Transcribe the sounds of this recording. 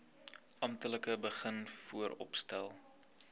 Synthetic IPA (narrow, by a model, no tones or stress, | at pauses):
ʔɐmtələkəbəχənfuəɾɔ̰pstælˠ